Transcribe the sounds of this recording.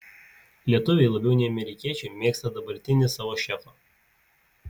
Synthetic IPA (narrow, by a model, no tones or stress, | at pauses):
lʲiɛt̪ʊʋʲɛɪlˠɐbʲɛʊnʲɛɪɐmʲɛɾʲɪkʲiɛt͡ʃʲɛɪmʲeːkst̪ɐd̪ɐbɐɾʲt̪ʲɪnʲɪsɑːʋoːʃʲɛfɐ